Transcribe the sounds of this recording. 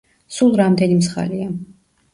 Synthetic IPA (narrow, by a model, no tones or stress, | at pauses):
sulˠɾamd̪ɛnimsχa̰lia